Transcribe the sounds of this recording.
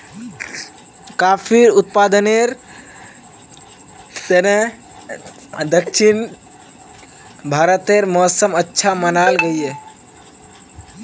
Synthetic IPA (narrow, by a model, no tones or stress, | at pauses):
kapʰiɾut̪̚pad̪əneɾ | t̪ene | d̪əkʃʰin | bʱaɾət̪eɾmɔsəmətːʃʰamənalɡəije